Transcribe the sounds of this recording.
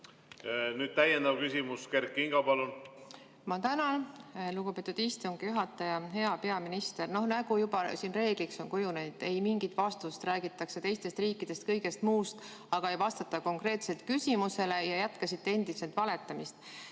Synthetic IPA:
nyːd̪̚t̪æjend̪ɑvkysʲimuske̞rkːˑiŋɡ̥ɑpɑlun | mɑt̪ænɑnluɡ̥ub̥e̞t̪ːˑud̪̥ist̪uŋɡ̥juɦɑt̪ːˑɑjɑɦe̞ɑpe̞ɑminist̪e̞rno̞hnæɡ̥ujubɑsiːnre̞ːɡ̥likso̞nkujunejd̪̥e̞jmiŋɡit̪vɑst̪ust̪ræːɡ̥it̪ːˑɑkse̞t̪e̞jst̪e̞st̪riːkːˑid̪̥e̞st̪kɤ̞jɡ̥e̞st̪muːst̪ | ɑɡ̥ɑejvɑst̪ɑt̪ːɑko̞ŋkre̞ːt̪se̞lt̪̚kysimuse̞le̞jɑjæt̪kɑsit̪ːe̞end̪̥ise̞lt̪vɑle̞t̪ːˑɑmist̪

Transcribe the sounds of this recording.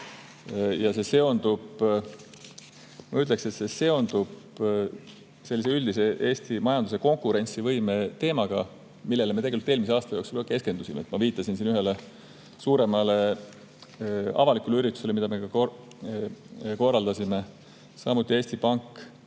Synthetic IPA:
jɑse̞se̞o̞nd̪ub̥ | mɑyt̪ːˑlekse̞t̪se̞se̞o̞nd̪ub̥ | selːiseyld̪is̬e̞ʔe̞ːst̪imɑjɑnd̪̥us̬e̞ko̞ŋkuɾe̞nʲsivɤjmet̪e̞ːmɑɡ̥ɑ̰ | milːe̞leme̞t̪eeyt̪eːlmis̬eɑːst̪ɑjosulɑke̞ske̞nd̪usimḛt̪mɑviːt̪ːˑɑsinsinyɦele | suːɾe̞mɑle̞ | ɑ̰vɑlikːˑuleyɾit̪ːˑu̥selemid̪̥ɑme̞kɑk | ko̞rːɑld̪ɑsime̞ | sɑ̰mut̪ːˑie̞ːsʲt̪ipɑŋkː

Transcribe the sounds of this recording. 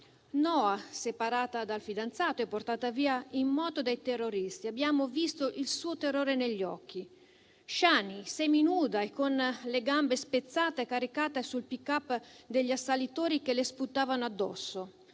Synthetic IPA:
nɔːasepaɾaːt̪ad̪alfid̪ant̪saːt̪oɛpːort̪aːt̪aviːaimːɔːt̪od̪ajt̪erːoɾist̪iabːjaːmovist̪oʔilsuːot̪erːoːɾeneʎːɔ̰k̟ːi | ʃaːnisɛminuːd̪aekːonleɡambespet̪sːaːt̪eekːaɾikaːt̪esulpikːapːd̪eʎːasːalit̪oːɾikelesput̪ːaːvanoad̪ːɔ̰sːo

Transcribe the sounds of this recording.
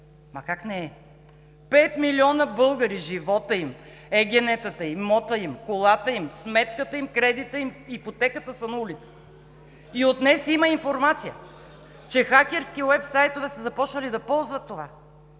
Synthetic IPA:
mɐkaknɛɛ | pɛt̪miliɔnəbɤlˠɡəɾiʒivɔt̪əim | ɛɡʲɛnɛt̪ət̪əimɔt̪əimkolˠat̪əimsmɛt̪kət̪əimkɾɛd̪it̪əimipot̪ɛkət̪əsənɐulit̪sə̥t̪ | iot̪nɛsiməinfoɾmat̪sijə̰ | t͡ʃɛxakʲɛɾskiwɛpsajt̪ovɛsəzɐpɔt͡ʃnəlid̪ɐpɔlˠzvət̪ːova

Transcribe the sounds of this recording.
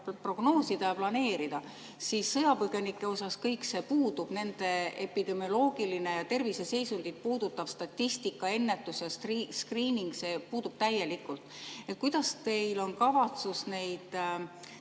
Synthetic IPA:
pro̞ɡ̥no̞ːsit̪ɑjɑplɑne̞ːɾid̪̥ɑ | sisːɤjɑpɤɡ̥e̞nikːˑe̞o̞sɑskɤjkse̞puːd̪ub̥ne̞nd̪̥e̞e̞pid̪̥e̞mijo̞lo̞ːɡ̥iline̞jɑt̪e̞rvise̞se̞jsuŋɡ̥it̪̚puːd̪̥ut̪ːˑɑv̥st̪ɑt̪ʲːist̪ikːˑɑe̞nːe̞t̪ːˑusjɑsriskriːniŋɡse̞ːpuːd̪̥ub̥t̪æjːe̞likːult̪et̪̚kujd̪̥ɑst̪e̞jlo̞nkɑvɑt̪susne̞jd̪̥

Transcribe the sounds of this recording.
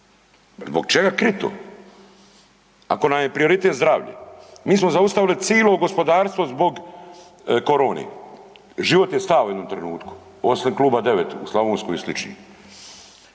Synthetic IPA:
zboɡ̚t͡ʃeɡakɾit̪o̰ | a̰ko̞namjepɾio̞ɾit̪et̪zd̪ɾa̰ːʋʎḛmiːsmozaust̪aʋilit̪siːlˠo̞ɡo̞spo̞d̪aːɾst̪ʋozbo̞ɡ | ko̞ɾo̞ːnḛ | ʒiʋo̞t̪jest̪aːʋujed̪nomt̪ɾenuːt̪ku̥ | osinkluːbad̪e̞ʋet̪uslˠaʋoːnskojislit͡ʃnḭ

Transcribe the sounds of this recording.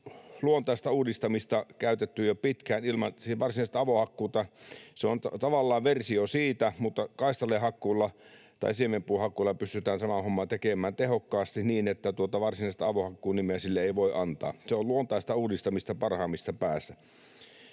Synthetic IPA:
luont̪ɑˑist̪ɑuːdist̪ɑmist̪ɑkæˑyt̪et̪ːyjopit̪kæːnilmɑ̰nsiʋɑrsinɑˑist̪ɑɑʋohɑkːuːt̪ɑseont̪ɑt̪ɑʋɑlːɑːʋʋersiosiːt̪æmut̪ːɑkɑˑist̪ɑlehɑkːˑuːlːɑt̪ɑ̰isiemempuːhɑkːˑuːlːɑpyst̪yt̪æːnsɑmɑhomːɑt̪ekemæːnt̪ehokːɑːst̪iniːnet̪ːæt̪uot̪ɑʋɑrsinɑˑist̪ɑɑʋohɑkːuːnimeæsilːeeˑiʋoˑiʔɑnt̪ɑ̰ːseolluont̪ɑˑest̪ɑuːdist̪ɑmist̪ɑpɑrhɑːmːist̪ɑpæːsːæ

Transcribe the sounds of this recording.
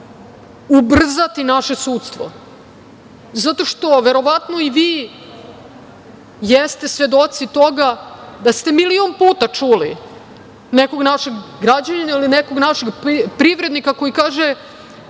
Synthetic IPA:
ubr̩zat̪inaʃe̞suːt̪st̪ʋo̰ | zat̪o̞ʂt̪o̞ʋeɾo̞ʋat̪no̞iʋiː | jest̪e̞sʋe̞d̪o̞t̪sit̪o̞ɡad̪ast̪e̞milionpuːt̪at͡ʂuli | neko̞ɡnaʃeɡɡɾad͡ʑaninailineko̞ɡnaʃeɡpɾiʋɾe̞d̪nikako̞jikaːʒe

